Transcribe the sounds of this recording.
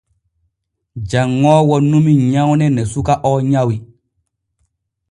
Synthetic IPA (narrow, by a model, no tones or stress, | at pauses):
d͡ʒaŋːɔːwɔnũmiɲãwnɛnɛsukaʔɔɲawi